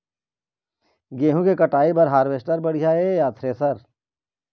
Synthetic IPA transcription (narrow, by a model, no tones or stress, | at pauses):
ɡeːɦũkekɐʈaːipɐɾɦaːɾʋeːsʈəɾbɐɽ̤ijaːejaːt̪ʰɾeːsɐɾ